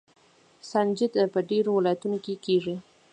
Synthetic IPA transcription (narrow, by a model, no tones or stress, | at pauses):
sand͡ʒɪd̪pəɖeɾowɪlɑjat̪unokekeʐi